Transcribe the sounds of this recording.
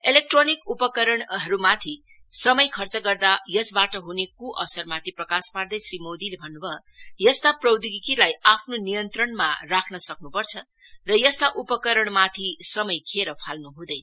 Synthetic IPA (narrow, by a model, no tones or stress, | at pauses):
elek̚ʈronikupʌkʌɾʌɳɦʌɾumat̪ʰi | sʌmʌjkʰʌrt͡sʌɡʌrd̪ajʌsbaʈʌɦunekuʔʌsʌrmat̪ʰiprʌkaspard̪ʌjsrimod̪ilebʱʌnːubʱʌ | jʌst̪aprʌwd̪iɡikilajapʰnonijʌnt̪rʌɳma̰rakʰnʌsʌknupʌrt͡sʰʌ | rʌjʌst̪aʔupʌkʌɾʌɳmat̪ʰisʌmʌjkʰeɾʌpʰalnuɦũd̪ʌj